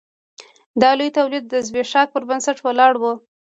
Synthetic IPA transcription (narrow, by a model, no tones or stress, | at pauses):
d̪ɑlujit̪awlid̪̚ːəzbeʃɑk̚pəɾbansaʈwalɑɽwu